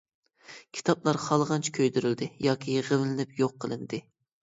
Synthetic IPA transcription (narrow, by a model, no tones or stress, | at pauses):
kʲʰi̥t̪ʰɑplˠɑɾχɑlˠʁɑnt͡ʃʰi̥kʲʰøjd̪yɾyld̪ɪjɑːkʲʰiʁəllɪnɪpjoqʰːəlˠɨ̰nd̪ɨ